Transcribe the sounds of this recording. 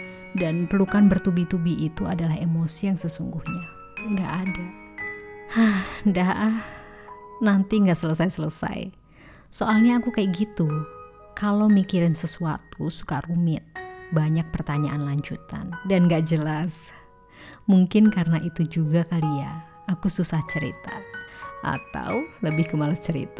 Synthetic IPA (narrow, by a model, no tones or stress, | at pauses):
danpərlukanbərt̪ubit̪ubiit̪uadalaɦemosijaŋsəsuŋɡuhɲa | ŋɡa̰ʔːda | hahndaɦʔ | nant̪iŋɡaʔsələsajsələsa̰j̰ | soalɲaːkukajaʔɡit̪u | kalomikiɾansəsua̰t̪usu̥karumɪt̪̚baɲak̚pərt̪aɲaʔanlaɲd͡ʒut̪a̰ndanŋɡaʔd͡ʒəlas | muŋkɪnkaɾənaʔit̪ud͡ʒuɡakalia | akususaht͡ʃəɾḭt̪aʔa̰t̪a̰wləbɪhɡəmalast͡ʃəɾḭt̪a